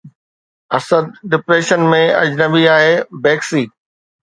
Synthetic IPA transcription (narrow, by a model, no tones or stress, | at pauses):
ɐsəd̪̚ɖɪpɾeːʃənmẽɐ̰d͡ʑnɐbiaːɦebeːksiː